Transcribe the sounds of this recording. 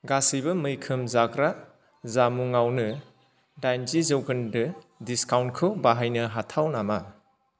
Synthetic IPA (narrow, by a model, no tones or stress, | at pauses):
ɡasijbɐmɯjkʰɯmzaɡɾa | zamuŋawnɯ | dajnzizowɡɯndɯ | diskawnkʰɯbaɦajnɐɦatʰawnama